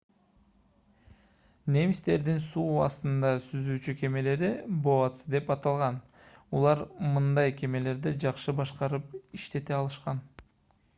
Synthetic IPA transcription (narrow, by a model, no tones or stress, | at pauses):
ne̞mist̪e̞ɾd̪insuːɑst̪ɯnd̪ɑsyzyːt͡ʃyke̞me̞le̞ɾiboɑt̪sɯd̪e̞pɑt̪ɑlˠʁɑn | ulˠɑɾmɯnd̪ɑjke̞me̞le̞ɾd̪id͡ʒɑqʃɯbɑʃqɑɾɯpiʃt̪e̞t̪eɑlˠɯʃqɑn